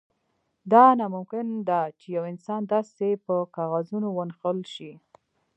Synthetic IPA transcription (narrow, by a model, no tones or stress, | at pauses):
d̪ɑnɑmʊmkɪnd̪at͡ʃejawɪnsɑnd̪ɑsepəkɑɣazunowənxəlʃi